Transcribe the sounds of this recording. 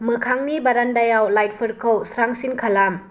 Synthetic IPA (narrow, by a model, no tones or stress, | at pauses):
mɯkʰaŋnibaɾandajawlajt̚pʰɯɾkʰɯwsɾaŋsinkʰalam